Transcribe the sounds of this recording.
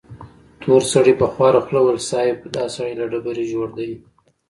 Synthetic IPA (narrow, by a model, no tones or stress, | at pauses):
t̪ʰoɾsaɽipəxwɑɾaxlawəlsɑjɪbd̪ɑsaɽilaɖabəɾiʒoɽd̪ai